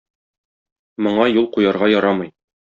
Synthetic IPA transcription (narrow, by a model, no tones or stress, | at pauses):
mŏɴɑjulˠqujɑɾʁɑjɒɾɑmɤj